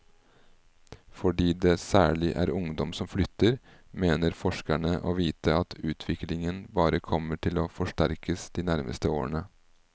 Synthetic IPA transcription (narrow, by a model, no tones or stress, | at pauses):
fɔɖiːd̪ɛsæːɭɪʔæ̰ɾʊŋd̪ɔmsɔmflʏt̪ːəɾ | meːnəɾfɔʂkæɳəʔoːʋiːt̪ʰəɑt̪ʰʉːt̪ʰʋɪklɪŋənbɑːɾəkʰɔməʈʰɪloːfɔʂʈæɾkʰəsd̪̥iːnæɾmʔə̰st̪əoːɳə